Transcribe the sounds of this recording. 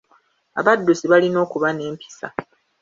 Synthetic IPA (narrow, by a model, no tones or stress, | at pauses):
a̰βadːusiβalino̞ːkuβane̞ːmpʰi̥sa̰